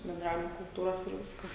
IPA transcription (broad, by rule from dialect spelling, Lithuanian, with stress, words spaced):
bʲɛnˈdrɑːʋʲɪmoː kʊlˠˈtuːroːs ɪr ˈʋʲɪskɐ